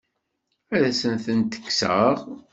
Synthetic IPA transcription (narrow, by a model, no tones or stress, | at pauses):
æðæsənθənt̪ə̥kːsə̰ʁ